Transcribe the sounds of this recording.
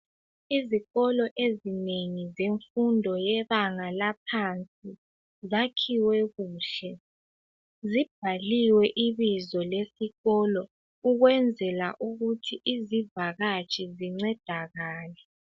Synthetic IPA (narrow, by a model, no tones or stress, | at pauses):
iziɣɔlɔʔezineŋizeɱfundʱɔjɛβaŋalapʰant͡sʼi | zakʰiwɛɣuːɬɛ | zib̥̚ʱaliwɛʔiβizɔlesiɣɔlɔ | uɣwɛnd͡zʱɛla̰ʔuɣutʰiʔizivaɣat͡ʃʼʰiziŋ͡ǀɛd̥ʱaɣaːlɛ